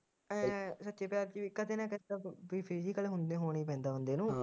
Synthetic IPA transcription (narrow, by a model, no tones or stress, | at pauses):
ɛ̃sətːt͡ʃeːpjaːɾt͡ʃiiːkəd̪eːnãːkəaʋiːpʰiːd͡ʒiːkəleːɦʊnd̪ẽːɦoːɽ̃iːpɛ̃ːnd̪aːɦʊ̃nd̪eːnũː